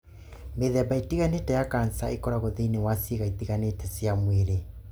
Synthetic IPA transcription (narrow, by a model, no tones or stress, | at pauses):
meðɛbaitiɣanetɛjakansaekɔɾaɣoðinewasiɣaitiɣanetɛsjamweɾe